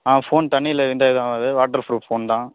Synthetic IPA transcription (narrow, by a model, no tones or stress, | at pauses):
aːfoːnt̪ɐɳːɪɪlːɐʋɪnd̪aːɣðãːɐd̪ɯʋaːʈːɐɾfɾuːʈfoːnt̪ãː